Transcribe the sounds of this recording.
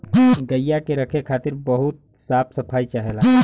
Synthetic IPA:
ɡəjjakeɾəkʰekʰat̪iɾbəɦut̪̚ | sap̚ʰsəpʰajt͡ʃaɦela

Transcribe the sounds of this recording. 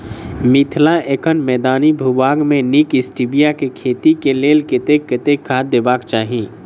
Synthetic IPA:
mɪt̪ʰlaeːkənmɛːd̪aːnibʱubaːɡmẽnikɪsʈibijakekʰeːt̪ikeleːlkɪt̪ekːɪt̪ekʰːaːd̪eːbaːkt͡ʃaːɦĩː

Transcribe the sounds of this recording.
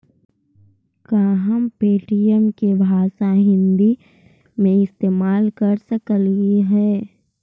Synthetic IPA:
kaːɦəmpeːʈijəmkebʱaːʃaɦɪ̃nd̪i | mẽɪst̪eːmaːlkəɾsəkliɦɛː

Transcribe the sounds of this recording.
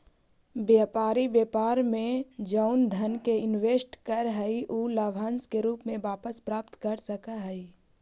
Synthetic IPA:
bjaːpaːɾibeːpaːɾmẽd͡ʒəʊnd̪ʱənkeɪnʋeːsʈkəɾɦɛiʔuːlaːʋʱãːnskeɾuːpmẽʋaːpəspɾaːp̚t̪kəɾsəkaɦəi

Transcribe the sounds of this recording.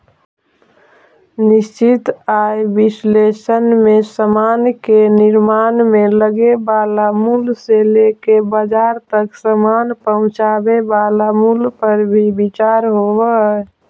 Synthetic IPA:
nɪst͡ʃit̪ajbislesənmesəmankenɪɾmanmeləɡebalamulselekebəd͡ʒaɾt̪əksəmanpəɦʊ̃t͡ʃabebalamulpəɾbʱibit͡ʃaɾɦobə

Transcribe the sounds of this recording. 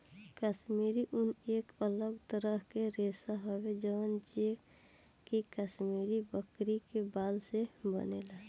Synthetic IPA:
kəsmiɾiʔunekələɡt̪əɾəɦkeɾesaɦɔbed͡ʒəənt͡ʃe | kikəsmiɾibəkɾikebalsebə̰nela

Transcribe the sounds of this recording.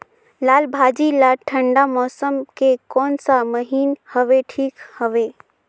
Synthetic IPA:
laːlbʱaːd͡ʒilaʈʰə̃ɳɖamɔːsəmkekɔːnsaməɦiːnhəʋeʈʰiːkhəʋeː

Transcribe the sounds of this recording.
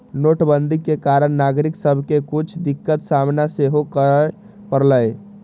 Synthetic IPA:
noʈbənd̪ʱikːekaɾəɳːaɡɾiksəbʱkekut͡ʃʰd̪ikːət̪samnaseɦokə | pəɾləj

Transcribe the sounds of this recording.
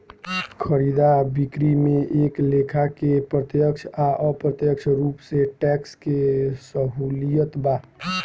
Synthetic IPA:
kʰəɾid̪abikɾimẽʔeklekʰakepɾət̪jəkt͡ʃʰaʔəpɾət̪jəkt͡ʃʰɾuːpseʈɛkskesəɦulijət̪ba

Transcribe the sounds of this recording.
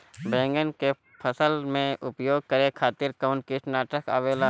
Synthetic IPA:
bɛ̃ːŋɡənke | pʰəsəlmẽʔʊpjoːɡ̚kəɾekʰaːt̪ɪɾkaʊnkɪʈnaːʈəka̰ːʋeːla

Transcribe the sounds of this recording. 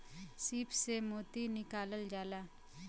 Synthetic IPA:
siːpsemoːt̪inɪkaːləld͡ʒaːlaː

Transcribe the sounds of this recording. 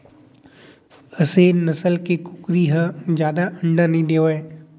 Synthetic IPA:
ɐsenɐsəlkekʊkɾiɦəd͡ʒjaːd̪aʔɐ̃ɳɖanɐɦĩd̪eːoɦɛː

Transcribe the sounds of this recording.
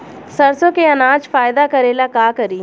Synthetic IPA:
səɾsõkeɐnãːd͡ʒfaːɪd̪akəɾeːlakaːkəɾiː

